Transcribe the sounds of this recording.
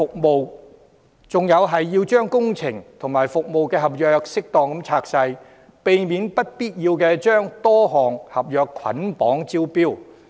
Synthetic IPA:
fʊ˨k̚mo˨w | t͡sʊ˨ŋjɐ˨˧wɦɐ˨jːiː˧wt͡ʃœː˥ŋkʊ˥ŋt͡sʰɪ˨˩ŋt̪ʰʊ˨˩ŋmaː˨˩jfʊ˨k̚mo˨wkɛː˧ɦɐ˨p̚jœː˨˧k̚sɪ˥k̚t̪ɔː˨ŋkɐ˨˧˥mt͡sʰaː˧k̚sɐ˧j | pe˨jmiː˨˥npɐ˥t̚piː˥t̚jiː˧wkɛː˧t͡ʃœː˥ŋt̪ɔː˥ɦɔː˨˩ŋhɐ˨p̚jœː˨kʰɐ̰˨˥npɔː˨˥ŋt͡si˥wpiː˥w

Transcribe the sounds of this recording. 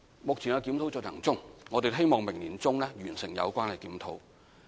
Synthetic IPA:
mʊ˨k̚t͡sʰi˨˩njɐ˧kiː˨˥mt̪ʰo˨˥wt͡sːlʰɐ̰˨˩ŋt͡sʊ˥ŋŋɔː˨˧t̪e˨jɦe˥jmɔː˨ŋmɪ˨˩ŋliː˨˩nt͡sʊ˥ŋlɛː˥ɥyː˨˩nsɪ˨˩ŋjɐ̰˨˧wkʷaː˥nhɐ˨˩jkiː˨˥mt̪ʰo˨˥w

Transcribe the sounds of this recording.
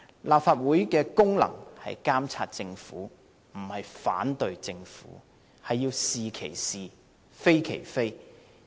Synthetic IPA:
laː˨p̚faː˧t̚wuː˨˥jkɛː˧kʊ˥ŋlɐ̰˨˩ŋhɐ̰˨jkaː˥mt͡sʰaː˧t̚t͡sɪ˧ŋfuː˨˥ | m̩˨˩hɐ˨jfa̰ː˨˥nt̪ɵ˨ɥt͡sɪ˧ŋfṵː˨˥ | hɐ˨jːiː˧wsiː˨kʰe˨˩jsiː˨ | fe˥jkʰe˨˩jfe˥j

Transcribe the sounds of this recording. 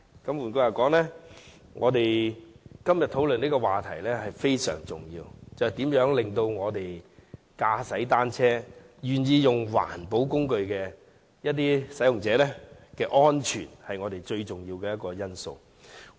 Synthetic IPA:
kɐ˨˥mwuː˨˩nkʊ˧jɐ˨˩wkɔː˨˥ŋlɛː˥ŋʔɔː˨˧t̪e˨j | kɐ˥mjɐ˨t̪̚ʰːwlɵ˨niː˥kɔ˧waː˨˩t̪ʰɐ˨˩jlɛː˥hɐ˨jfe˥jsœ̰ː˨˩ŋt͡sʊ̰˨ŋjḭː˧wt͡sɐ˨hjt̪iː˨˥mjœː˨˥ŋlɪ˨ŋt̪o˧wŋɔː˨˧t̪e˨j | kaː˧sɐ˨˥jt̪aː˥nt͡sʰɛː˥ | jyː˨njiː˨˧jʊ˨˩ŋwa̰ː˨˩npo˨˥wkʊ˥ŋkɵ˧ɥkɛː˧ | jɐ˥t̪̬̚iː˥sɐ˨˥jʊ˨ŋt͡sɛː˨˧˥lɛ˥kɛː˧ʔɔː˥nt͡ʃʰy̰ː˨˩nhɐ˨jŋɔː˨˧d̪e˨jt͡ʃɵ˧ɥt͡sʊ˨ŋjiː˧wkɛː˧jɐ˥t̚kɔː˧jɐ˥nso̰˧w

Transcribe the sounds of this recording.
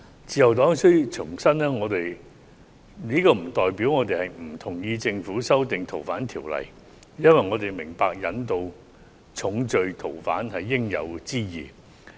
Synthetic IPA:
t͡siː˧jɐ˨˩wt̪ɔː˨˥ŋsɵ˥ɥt͡sʰʊ˨˩ŋsɐ˥nnɛː˥ŋɔː˨˧t̪e˨j | niː˥kɔː˧m̩˨˩t̪ɔː˨jpi˨˥wŋɔː˨˧t̪̬e˨jhɐ˨jm̩˨˩t̪ʰʊ˨˩ŋjiː˧t͡sɪ˧ŋfuː˨˥sɐ˥wt̪ɪ˨ŋt̪ʰo˨˩wfa̰ː˨˥nt̪ʰiː˨˩wlɐ̰˨˩j | jɐ˥nwɐ˨jŋɔː˨˧t̪e˨jmɪ˨˩ŋpaː˧k̚jɐ̰˨˥nt̪o˧w | t͡sʰʊ˨˥ŋt͡ʃɵ˨ɥt̪ʰo˨˩wfa̰ː˨˥nhɐ˨jːɪ˥ŋjɐ̰˨˧wt͡siː˥jiː˨˩

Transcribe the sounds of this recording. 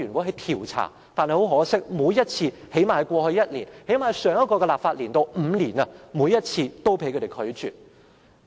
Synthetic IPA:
yː˨˩nkɔ˨˥ɦɐ˨˧jt̪ʰiː˨˩wt͡sʰa̰ː˨˩ | t̪aː˨nhjho˨˥wɦɔː˨˥sɪ˥k̚muː˨˧jɐ˥t̚t͡sʰiː˧he˨˥jmaː˨jkʷɔː˧hɵ˧ɥjɐ˥t̚liː˨˩nhe˨˥jmaː˨˩sœː˨˧ŋjɐ˥t̚kɔː˧kɛ˧laː˨p̚faː˧t̚liː˨˩nt̪o˧wm̩ː˨˧niː˨˩nɐ˧muː˨˧jɐ˥t̚t͡sʰiː˧t̪o˥wpʰe˧˥jkʰɵ˨˧te˨jkʰɵ˨˥ɥt͡ʃyː˨t̚

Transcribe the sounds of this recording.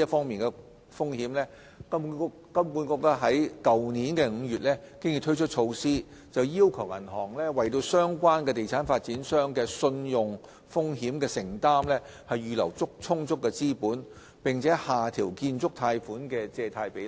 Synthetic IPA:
ɐ˥fɔː˥ŋmiː˨nkɛ˧ | fʊ˥ŋhiː˨˥mlɛː˥ | kɐ˥ | kɐ˥mku˨˧˥nkɔː˧k̚t̪a˥ɦɐ˨˥jkɐ˨wniː˨˥nkɛ˧ŋ̩ː˨˧jyː˨t̚lɛː˥kɪ˥ŋji˧t̪ʰt͡ʃʰɵ˥t̚t͡ʃʰo˧wsiː˥ | t͡sɐ˨wji˥wkʰɐ˨˩wʔɐ̰˨˩nɦɔː˨˩ŋlɛː˥wɐ˨jt̪o˧wsœː˥ŋkʷaː˥nkɛ˧t̪e˨jt͡sʰaː˨˥nfaː˧t̚t͡siː˨˥nsœː˥ŋkɛː˧sɵ˧njʊ˨ŋ | fʊ˥ŋhiː˨˥mkɛː˧sɪ˨˩ŋt̪aː˥mlɛː˥ | hɐ˨jjyː˨lɐ̰˨˩wt͡sʊ˥k̚t͡sʰʊ˥ŋt͡sʊ˥kːɛː˧t͡siː˥puː˨˥n | pɪ˨ŋt͡sʰɛː˨˥haː˨t̪ʰiː˨˩wkiː˧nt͡sʊ˥k̚t̪ʰaː˧jfuː˨˥nkɛ˧t͡sɛː˧t̪ʰaː˧jpe˨˥j

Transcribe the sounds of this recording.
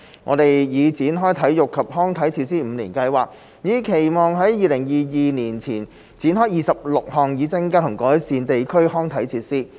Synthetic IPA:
ŋʔɔ̰˨˧t̪e˨jjiː˨˧t͡siː˨˥nɦɔː˥jt̪ʰɐ˨˥jjʊ˨kʰːɐ˨p̚hɔː˥ŋt̪ʰɐ˨˥jt͡sʰiː˧t̚siː˥m̩˨˧niː˨˩nkɐ˧jwaː˨˩k̚ | jiː˨˧kʰe˨˩jmɔː˨˧ŋɦɐ˨˥jjiː˨˧lɪ˨˩ŋjiː˨jiː˨niː˨˩nt͡sʰiː˨˩n | t͡siː˨˥nɦɔː˥jiː˨˩sɐ˨p̚lʊ˨k̚hɔː˨˩ŋjiː˨˧t͡sɪ˥ŋkaː˥t̪ʰʊ˨˩ŋkɔː˨˥jsiː˨˧nt̪e˨jkʰɵ˥ɥhɔː˥ŋt̪ʰɐ˨˥jt͡sʰiː˧˥t̚siː˥

